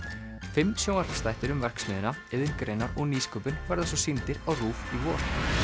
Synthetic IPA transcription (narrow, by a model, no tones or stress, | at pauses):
fɪmːsjownaɾfst̪ajht̪ɪɾʏmvɛr̥ksmɪːðɪnaɛðɪn̥kɾejnaɾɔɣniːskœːpɪnvaɾðasɔsint̪ɪɾawruːfivɔːɾ